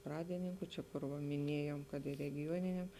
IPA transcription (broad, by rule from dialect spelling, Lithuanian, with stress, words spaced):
ˈprɑːdʲɪnʲɪŋkʊ ˈt͡ʃʲɛ kʊr ˈʋɐ mʲɪˈnʲiɛjoːm ˈkɐt ɪ rʲɛɡʲɪˈjuɔnʲɪnʲɛm